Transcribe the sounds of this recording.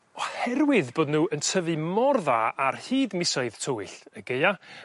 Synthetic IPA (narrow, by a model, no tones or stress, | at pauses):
ɔhɛrwɪðboːdnuːəntʰəvɨmɔrðaarhiːdmɪsɔɨðtʰowɪɬəɡeja